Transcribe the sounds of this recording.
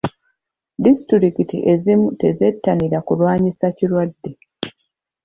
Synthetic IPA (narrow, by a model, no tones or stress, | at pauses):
distɾiɾikitḭʔe̞zimute̞ze̞tːaniɾakulwaːɲisacilwadːe̞